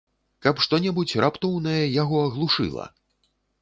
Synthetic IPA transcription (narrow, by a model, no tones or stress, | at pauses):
kɐpʂt̪ɔnʲɛbut͡sʲrʔapt̪ɔwnɐjɛjaɣɔɐɣlˠuʂɨ̰lˠɐ̰